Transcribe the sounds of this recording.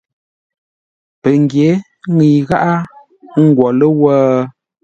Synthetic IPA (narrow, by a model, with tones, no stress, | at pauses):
pə˨ŋ˨ɡje˨˦ | ŋi˨ɣa˦ʔa˦ | ŋ̩˦ɡwɔ˨lə˦wəː˦